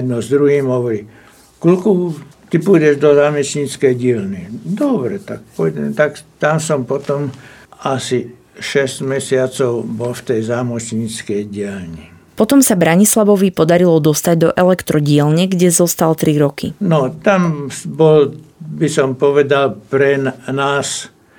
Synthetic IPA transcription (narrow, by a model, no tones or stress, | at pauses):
d̪nɔzd̪ɾuɦiːmɦɔʋɔɾiː | klukut̪ipujɟɛʒd̪ɔzaːmɛsɲiːt͡skɛjɟɪɛlnid̪ɔbɾɛt̪ak̚pɔjdɛmt̪akt̪amsɔmpɔt̪ɔmasi | ʃɛztmɛsɪat͡sɔʊbɔlft̪ɛjzaːmɔsɲiːt͡skɛjɟɪɛlɲi | pɔt̪ɔmsabɾaɲislaʋɔʋipɔd̪aɾilɔd̪ɔst̪aɟd̪ɔʔɛlɛkt̪ɾɔɟɪɛlɲɛɡɟɛzɔst̪alt̪ɾiɾɔkḭnɔt̪ambɔlbisɔmpɔʋɛd̪alpɾɛnnaːs